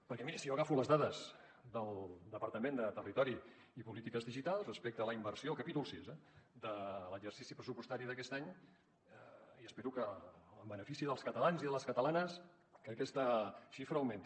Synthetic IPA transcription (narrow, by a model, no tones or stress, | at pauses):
pəɾkɛmiɾəsijoəɣafuləzðaðəz | d̪əlˠd̪əpəɾt̪əmend̪ət̪ərit̪ɔɾi | ipulit̪ikəzðiʒit̪alˠsrəspek̚t̪ələimbəɾsiolˠkəpit̪ulˠsizɛd̪ələʒərsisipɾəsupust̪aɾiðəkɛst̪aɲ | iəspɛɾukəəmbənəfisiðəlˠskət̪əlanziðələskət̪əlanəs | kəkɛst̪əʃifɾəəwment̪